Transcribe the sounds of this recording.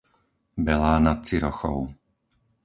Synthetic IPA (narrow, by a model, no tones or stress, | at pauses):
bɛlaːnat̪̚t͡siɾɔxɔ̰ʊ